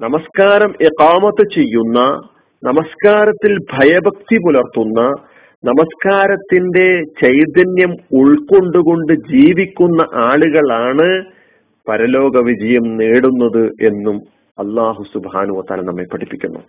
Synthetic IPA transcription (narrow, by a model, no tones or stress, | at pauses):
nɐmɐskaːɾɐmiqaːmɐt̪ːɨt͡ɕe̞jːunːɐ | nɐmɐskaːɾɐt̪ːilbʱɐjɐbʱɐk̚t̪ipulɐrt̪ːunːɐ | nɐmɐskaːɾɐt̪ːinde̞t͡ɕɐjd̪ɐnjɐmuɭko̞ɳɖuɣo̞ɳɖɨd͡ʑiːʋikʲːunːɐʔaːɭuɣɐɭaːɳɨ | pɐɾɐlo̞ːɡɐʋid͡ʑɐjɐmneːɽunːɐðɨʔe̞nːum | ɐlːaːɦusubhaːnuʋɐt̪a̰ːlɐnɐmːepːɐʈʰipːikʲːunːṵ